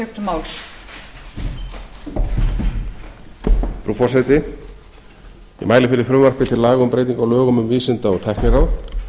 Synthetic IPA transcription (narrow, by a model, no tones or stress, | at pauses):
ʏkt̪maːwls | fɾuːfɔr̥sajt̪ɪ | jɛ̰ɣmaːjlɪfɪɾɪɾ̥fɾʏmːœr̥kpɪt̪ʰɪlaːɣʏmpɾeːjt̪̬iŋkawlœːɣʏmʏmviːsɪnt̪aɔɣt̪ʰɛhknɪɾawθ